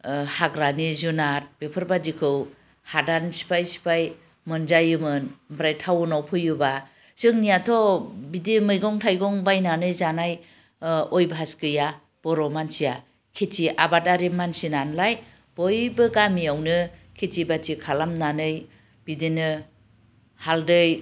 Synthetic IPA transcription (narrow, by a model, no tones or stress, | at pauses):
haɡɾanizunat̚b̥epʰɯɾbadikʰɯw | hadansi̥pʰajsi̥pʰaj | mɯnzajɯmɯnbɾajtʰawɯnawpʰɯjuba | z̥ɯŋnijatʰɔbidimɯjɡɔŋtʰajɡɔŋbajnanɯjzanaj | ɔjbɦaskɯja | b̥ɔɾɔmansija | kʰetiʔabataɾimansinanlaj | b̥ɔjbɯɡamiawnɯkʰet͡ʃibatikʰalamnanɯj | b̥idinɯ | haldɯj